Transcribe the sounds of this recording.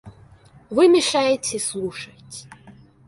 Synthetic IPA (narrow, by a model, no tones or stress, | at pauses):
vɨmʲɪʂajɛtʲeslˠuʂɐtʲ